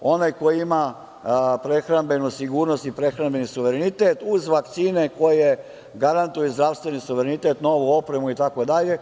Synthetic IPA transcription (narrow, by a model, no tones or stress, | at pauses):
o̞najko̞jiima | pɾexɾambe̞nusiɡuːɾnost̪ipɾexɾanbe̞nisuʋeɾenit̪eːt̪uzʋakt̪siːne̞ko̞je̞ | ɡaɾant̪ujuzd̪ɾaːʋst̪ʋe̞nisuʋeɾenit̪eːt̪no̞ʋuo̞pɾe̞muit̪ako̞d̪aʎe̞